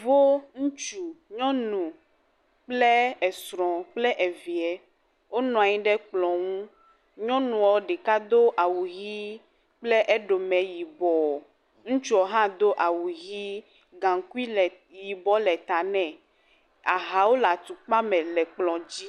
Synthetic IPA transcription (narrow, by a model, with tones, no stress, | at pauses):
vo˦ŋũ˦t͡ʃu˨ɲɔ̃˦nũ˨ | k͡ple˦ɛ˨sɾɔ̃˨k͡plɛ˦ʔɛ˨vi˨ɛ˨ | wo˦nɔ̃˨a˨ɲĩ˦ɖɛ˦k͡plɔ̃˨ŋũ˦ | ɲɔ̃˦nũ˨ɔ˨˦ɖɛ˨ka˦d̪o˦ʔa˨wu˨ɣi˦ | k͡ple˦ʔe˦ɖo˨mɛ̃˨ji˨bɔ˨ | ŋũ˦t͡ʃu˦ɔ˨ɦã˦d̪o˦ʔa˨wu˨ɣi˦ | ɡã˨ŋ˨ku˦i˦˨ | ji˨bɔ˦lɛ˨t̪a˨nɛ̃˨ | a˨ɦa˨wo˦la˨t̪u˨k͡pa˦mɛ̃˨lɛ˨k͡plɔ̃˨d͡ʑi˦